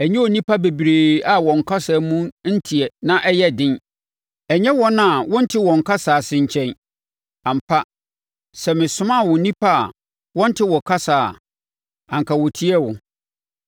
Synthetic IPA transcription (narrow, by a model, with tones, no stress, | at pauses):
æ˨ɲɛ̃˦o˨nĩ˦pʰa˦be˨bɾeː˨a˨wɔ̃˨ŋ̩˨kʰa˦sa˨mũ˦n̩˦tʰi˨ɛ˨nã˦ʔɛ˦jɛ˦dɪ̃˦n | ɛ˨ɲɛ̃˦wɔ˦nã˦˨wɔ̃˦n̩˦tʰɪ˦wɔ̃˨ŋ̩˨kʰa˦saː˨sɪ̃˨ɲ̩˨t͡ɕʰɛ̃˦n | ã˨m̩˨pʰa˦ | sɛ˨mɪ̃˨sʊ̃˦mã˦˨wɔ˨˦nĩ˦pʰa̰˦˨ | wɔ̃˦n̩˦tʰɪ˦wɔ˨kʰa˦saː˨ | ã˨ŋkʰa˨wɔ˨tʰi˦ɛ˦wʊ˨